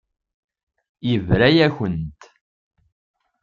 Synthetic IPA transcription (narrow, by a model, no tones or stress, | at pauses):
jəvɾæjæçənt̪